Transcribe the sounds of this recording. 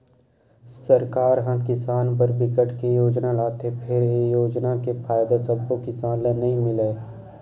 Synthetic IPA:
səɾkaːɾɦãkɪsaːnpəɾbɪkəʈkejoːd͡ʒnalaːt̪epʰɪɾejoːd͡ʒnakepʰaːjd̪asəbːokɪsaːnlenɐɦĩmɪleː

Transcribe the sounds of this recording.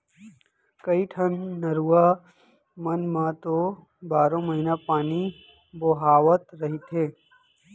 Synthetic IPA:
kɐiʈʰənːɐɾua | mənmãt̪o | baːɾõmɐɦinapaːni | boɦaːʋət̪ɾɐɦit̪ʰɦeː

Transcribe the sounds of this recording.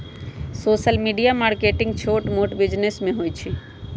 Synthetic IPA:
soːsəlmiɖijamaɾkeʈɪ̃ŋɡt͡ʃʰoʈmoʈbɪd͡ʒnesmẽɦojt͡ʃʰi

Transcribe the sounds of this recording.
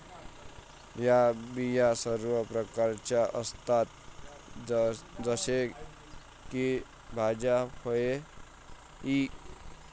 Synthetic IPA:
jabijasəɾʋəpɾəkaɾt͡ʃaʔəst̪at̪̚ | d͡zəse | ki | bʱad͡ʒahoe | i

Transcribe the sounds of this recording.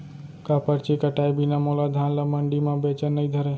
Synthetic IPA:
kapəɾt͡ʃikəʈaːjbinamolad̪ʱaːnlaməɳɖimãbet͡ʃənːəĩd̪ʱəɾe

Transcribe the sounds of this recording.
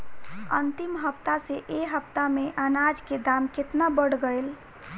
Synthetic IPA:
ə̰nt̪imɦəpt̪aseʔeɦəpt̪ameʔənad͡ʒked̪amket̪nabəɽ̤ɡəjl

